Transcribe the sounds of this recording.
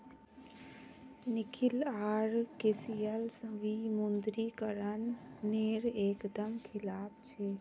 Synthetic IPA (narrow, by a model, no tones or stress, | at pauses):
nikʰilaɾkesijəlsə̃ʋimund̪ɾikəɾənːeɾeːkd̪əmkʰilaːp̚t͡ʃʰe